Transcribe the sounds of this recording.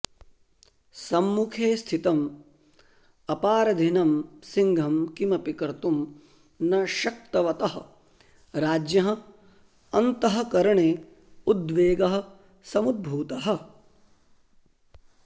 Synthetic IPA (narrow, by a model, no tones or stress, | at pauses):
sɐmːukʰeːst̪ʰit̪ɐm | ɐpaːɾɐd̪ʱinɐmsiŋɡʱɐmkimɐpikɐɾt̪um | nɐʃɐk̚t̪ɐʋɐt̪ɐɦɐ̆ | ɾaːd͡ʒjɐɦɐ̃̆ | ɐnt̪ɐɦɐ̆kɐɾɐɳeː | ud̪ʋeːɡɐɦɐ̆ | sɐmud̪̚bʱuːt̪ɐɦɐ̆